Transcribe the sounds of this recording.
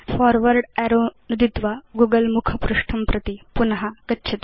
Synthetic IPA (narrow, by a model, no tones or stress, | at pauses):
fʰɔːɾʋɐɾɖɛːɾoːnud̪it̪ʋaɡuːɡɐlmukʰɐpɾuʂʈʰɐmpɾɐt̪ipunɐɦɐkɐtːʃʰɐt̪